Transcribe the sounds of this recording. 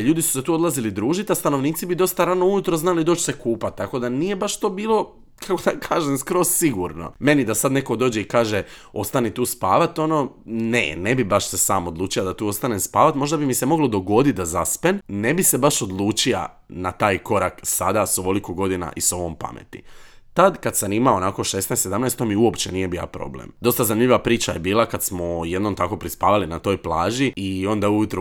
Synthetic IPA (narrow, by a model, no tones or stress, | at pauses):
ʎuːd̪isu̥set̪uːod̪lazilid̪ɾuːʒit̪ast̪ano̞ʋniːt̪sibid̪o̞st̪aɾaːno̞ujut̪ɾoznalid̪o̞ːt͡ɕse̞kuːpat̪̚ːako̞d̪anije̞baʃt̪oːbiːlˠo̞ | kʰakod̪akʰaːʒemskɾo̞ssiɡuɾno̰me̞nid̪asad̪ne̞ko̞d̪o̞ːd͡ʑeikaːʒeo̞st̪anit̪uːspa̰ːʋat̪o̞no̞ːnḛne̞bibaʃse̞sa̰ːmo̞d̪luːt͡ʃiad̪at̪uːo̞st̪anemspaːʋat̪mo̞ʒd̪abimise̞mo̞ɡlod̪o̞ɡo̞d̪it̪̚d̪azaspenne̞bise̞baʃo̞d̪lˠuːt͡ʃia̰ | nat̪aːjko̞ɾaksad̪asoʋo̞likoɡo̞d̪ina̰ʔiso̞ʋompa̰mḛt̪ḭt̪ad̪kad̪sanimaonako̞ʃesnɛst̪se̞d̪amnɛjst̪omiuo̞pt͡ʃe̞nije̞bija̰pɾo̞̰blḛmd̪o̞st̪azanimʲʎʲiʋapɾiːt͡ʃaje̞biːlˠakad̪smoje̞d̪nomt̪ako̞pɾispaːʋalinat̪o̞ːjplˠaːʒiio̞nd̪aujut̪ɾu